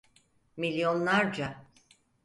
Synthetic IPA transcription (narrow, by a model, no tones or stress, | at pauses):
milʲjo̞nlˠaɾd͡ʒa